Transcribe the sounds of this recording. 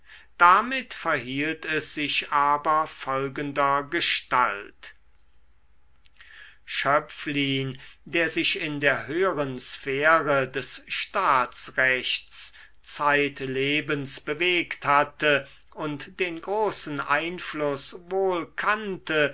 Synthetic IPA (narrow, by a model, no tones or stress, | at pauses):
d̥amɪtfɛɐɦiːltɛsz̥ɪʃaːbɐfɔlɡəndɐɡəʃtalt | ʃœpfliːndeːɐzɪɕɪndeːɐɦøːəʁənsfeːʁədɛsʃtaːsʁɛçt͡s | t͡saɪtleːbənsb̥əveːkthatə | ʊntd̥eːnɡʁoːsn̩ʔaɪnflʊsvoːlkʰantə